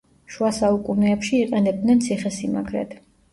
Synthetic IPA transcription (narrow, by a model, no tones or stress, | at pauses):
ʃuasaukʼunɛːpʃiːqʼɛnɛb̚d̪nɛnt̪sʰiχɛsima̰ɡɾɛ̰t̪ʰ